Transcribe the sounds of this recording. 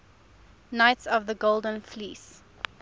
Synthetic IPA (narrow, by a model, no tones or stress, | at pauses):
naɪtsɔvðəɡolˠdə̃nfliːs